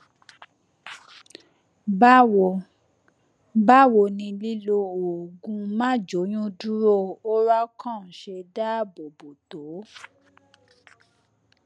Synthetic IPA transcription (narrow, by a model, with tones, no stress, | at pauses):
ba˦wo˨ | ba˦˨wo˨nĩ˧li˦lo˧o˨ɡũ˧mã˦˨d͡ʒo˨˦jũ˦du˦ɾo˦o˦ɾa˦kʰɔ̃˦˨ʃe˧da˦˨bo˨bo˨to˨˦